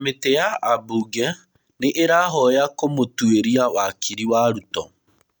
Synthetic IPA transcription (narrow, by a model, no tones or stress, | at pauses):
metejaʔabuɡɛ | neʔeɾaɦɔjakomotweɾiawakiɾiwaɾutɔ